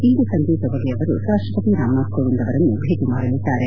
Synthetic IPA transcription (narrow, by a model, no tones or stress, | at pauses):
iːd̪usɐnt̪iːtɐʋɐːɡeɐʋɐɾṵɾaːʂʈɾɐpɐt̪iɾaːmaːkːoɭund̪ɐʋɐɾɐnːubʱeːɡ̪imaːɽɐlid̪ːaːɾe